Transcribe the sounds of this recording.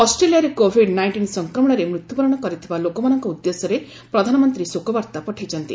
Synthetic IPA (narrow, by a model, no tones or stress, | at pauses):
ɔsʈɾelijaɾekobʱiɖnajɳʈinsɔŋkɾɔmɔɽ̃ɔɾemɾut̪jubɔɾɔɽ̃ɔkɔɾit̪ʰibalokɔmanɔŋkɔud̪ːesɔɾe | pɾɔd̪ʱanɔmɔnt̪ɾisokɔbaɾt̪apɔʈʰajt͡ʃʰɔnt̪ḭ